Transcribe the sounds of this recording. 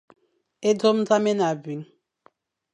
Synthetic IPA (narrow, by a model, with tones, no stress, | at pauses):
e˦dɔ˦m˦d͡za˦me˦na˨bi˨ŋ